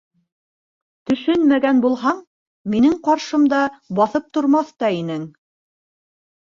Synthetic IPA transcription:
t̪ɵ̆ʃɵnmæɡænbulˠɦɑɴ | minɘŋqɑɾʃɤ̆md̪ɑbɑθɤp̚t̪ŏɾmɑθt̪ɑinɘŋ

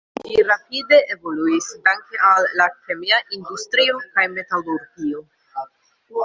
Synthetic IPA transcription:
liɾapide̞ʔevo̞luisdaŋke̞ʔalːake̞miaʔindustɾio̞kajme̞taluɾɡio̞

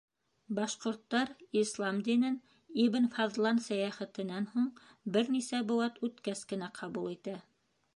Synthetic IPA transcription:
bɑʃqŏɾt̪ːɑɾislˠɑmd̪inɘn | ibɘ̆nfɑðlˠɑnsæjæχɘ̆t̪ɘ̆nænhuɴ | bɘɾnisæbŏwɑt̪ʉt̪kæskɘ̆næqʰɑβulˠit̪æ

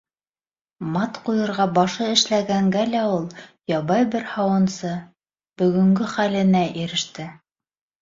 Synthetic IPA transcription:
mɑt̪qujɤ̆ɾʁɑbɑʃɤɘ̆ʃlæɡæŋɡælæulˠjɑβɑjbɘɾhɑwɤ̆nsɤ | b̥ɵ̆ɡɵ̆ŋɡɘχælɘ̆næʔiɾɘ̆ʃt̪ɘ

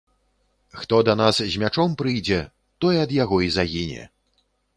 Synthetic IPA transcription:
xt̪ɔd̪ɐnaszʲmʲat͡ʂɔmpɾɨjd͡zʲɛ | t̪ɔjɛɐd̪jaɣɔizaɣʲinʲɛ̰

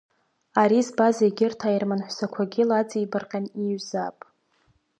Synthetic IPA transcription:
aɾizbaziɡʲɪrtʰairmanħʷsakʷʰaɡʲɪlat͡sʼibarqʲʼaniɥzapʼ

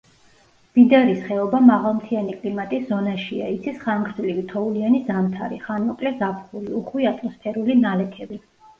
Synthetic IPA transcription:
b̥id̪aɾisχɛɔbamaʁalˠmt̪ʰianikʼlimat̪ʼiszɔnaʃiait̪sʰisχaŋɡɾzlivit̪ʰɔulianizamt̪ʰaɾḭχanɔkʼlɛzapʰχuliuχwiat̪ʼmɔspʰɛɾulinalɛkʰɛbi

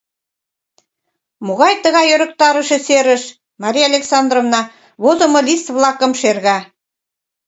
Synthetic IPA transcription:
moɣɑjt̪ə̆ɣɑjøɾə̆k̚t̪ɑɾə̆ʃĕseɾə̆ʃ | mɑɾʲijɑlʲeksɑnd̪rovnɑ | βozŏmolʲist̪βlɑkə̆mʃerɣɑ

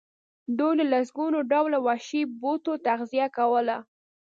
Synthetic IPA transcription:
d̪ujləlas̬ɡunoɖawlawaʃibot̪ot̪axzijakawəla

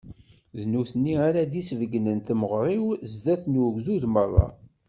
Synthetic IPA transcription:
ðnuθənːiaɾad̪isvəɡnənt̪məʁɾˤiwzd̪æθnuɡzuðmərˤːɑ̰

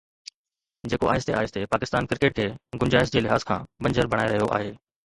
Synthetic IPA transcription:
d͡ʑeːkoʔaːɦɪst̪eaːɪst̪ʰepaːkɪst̪aːnkɾɪkeːʈ̚kʰeːɡʊnd͡ʑaːɦɪsd͡ʑeːlɪɦaːzkʰã̰ːbɐ̃ɲd͡ʑəɾbʱɐɽ̃aːeɾɐɦijoʔa̰ːɦeː

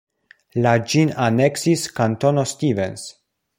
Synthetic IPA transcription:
lad͡ʒinaneksiskantonostivens

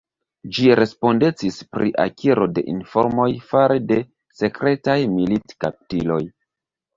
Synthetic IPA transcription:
d͡ʒiɾe̞spo̞nde̞t͡sispɾḭʔa̰kʰiɾo̞de̞̰ʔinfo̞̰ɾmo̞jfaɾede̞ | se̞kɾe̞tajmilitkap̚tilo̞j

